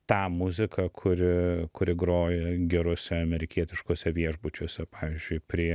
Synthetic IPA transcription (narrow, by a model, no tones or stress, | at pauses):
t̪ɑːmʊzʲɪkʰɐkʰʊɾʲɪkʊɾʲɪɡɾoːjɛɡʲɛɾʊsʲɛɐmʲɛɾʲɪkʲiɛt̪ʲɪʃkoɔsʲɛʋʲiɛʒbʊt͡ʃʲoːsʲɛpɑːʋʲiɪzʲd͡ʒʲʊɪpʲɾʲiɛ